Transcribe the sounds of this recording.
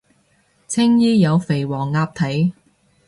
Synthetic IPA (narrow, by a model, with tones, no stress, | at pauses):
t͡sʰɪ˥ŋjiː˥jɐ˨˧wfe˨˩jwɔː˨˩ŋːaː˧p̚t̪ʰɐ˨˥j